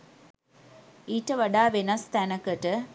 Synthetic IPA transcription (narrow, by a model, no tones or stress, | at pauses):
iːʈəʋɐɖaːʋenɐst̪ænɐkəʈə